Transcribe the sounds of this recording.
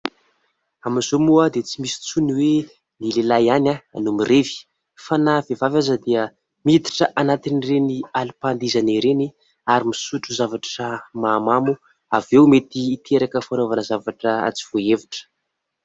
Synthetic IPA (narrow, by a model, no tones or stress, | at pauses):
amiz̥omuəd̪et͡simisi̥t͡suniwe | nilelajanʲaa̰numirevi̥ | fanavevavazəd̪eə | mit̪i̥ʈ͡ʂəʔanat̪inirenialipand̪izaneɾeni | aɾimisuʈ͡ʂuzavaʈ͡ʂəmamamu | avewmet̪iːt̪ʰeɾakəfanovanəzavaʈ͡ʂəa̰t͡si̥v̥oeviʈ͡ʂə̥